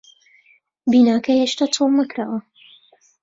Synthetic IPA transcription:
binaːkɐheʃt̪aːt̪ʰolnakɾaːwɐ

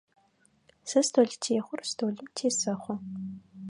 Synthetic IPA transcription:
sɐstʰoɮtʰeːχʷʊrstʰoːɮʊmtʰeːsɐχʷɔ

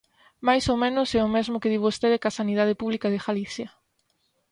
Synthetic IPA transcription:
majsomẽnʊsɛʊmezmʊkeðiβost̪eðɪkasaniðað̞ɪpuβlikaðɪɣaliθjɐ

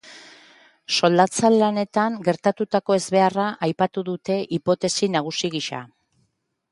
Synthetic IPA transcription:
so̞ld̪at͡salːane̞t̪aŋɡe̞ɾt̪at̪ut̪ako̞e̞zβe̞araʔajpat̪uðut̪e̞ʔipo̞t̪e̞sinaɣ̞usiɣiʃa̰

